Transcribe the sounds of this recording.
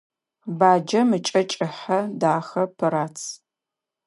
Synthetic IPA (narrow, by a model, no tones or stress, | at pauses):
baːd͡ʒɐmɨt͡ʃʼɐt͡ʃʼɪħɐdaːxɐpʰɨɾaːt͡sʰ